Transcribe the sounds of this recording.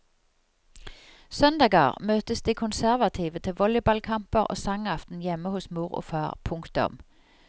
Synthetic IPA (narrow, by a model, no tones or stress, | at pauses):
sœnd̪ɑːɡə̰ʁmøːt̪əsd̪iːkʰʊnsæʁʋɑt̪ʰiːʋət̪ʰɪʋɔljəbɑlkʰɑmpəʁo̰ːsɑŋɑft̪n̩jɛmːəhʊsmuːʁo̰ːfɑːʁpʰʊŋkt̪ʊ̰m